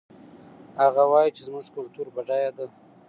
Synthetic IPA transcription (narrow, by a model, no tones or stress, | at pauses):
haɣawɑjit͡ʃezmʊʐkʊlt̪uɾbaɖajad̪a